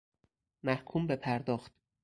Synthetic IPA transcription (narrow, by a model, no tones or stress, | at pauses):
mæhkʰuːmbepʰæɾd̪ɒːxt̪̚